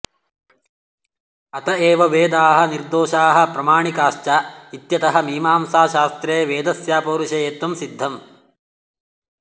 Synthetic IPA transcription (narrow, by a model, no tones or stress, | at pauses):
ɐt̪ɐeːʋɐʋeːd̪aːɦɐ̆niɾd̪oːʃaːɦɐ̆pɾɐmaːɳikaːʃt͡ʃait̪jɐt̪ɐɦɐmiːmaːmsaːʃaːst̪ɾeːʋeːd̪ɐsjaːpoːɾuʃejeːt̪ɐmsid̪ʱːɐm